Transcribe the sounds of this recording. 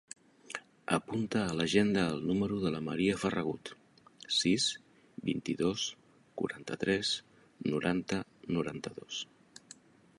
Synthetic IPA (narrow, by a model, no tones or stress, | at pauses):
ə̰punt̪əːləʒend̪əːlˠnuməɾuðələməɾiəfərəɣ̞ut̪ | siz | bḭnt̪iðos | kṵɾant̪ət̪ɾɛs | nuɾʔant̪ənuɾant̪əðos